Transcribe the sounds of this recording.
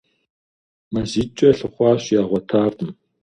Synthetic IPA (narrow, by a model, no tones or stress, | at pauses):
mɐziːt͡ʃʼɐɬɨχʷɑːɕjaːʁʷɔtʰaːrdɨm